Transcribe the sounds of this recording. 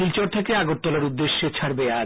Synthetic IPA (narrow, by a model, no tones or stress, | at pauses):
ilt͡ɕoɾt̪ʰekeaɡoɾ̚t̪ːɔlaɾud̪ːeʃːet͡ɕʰaɾbeaɾ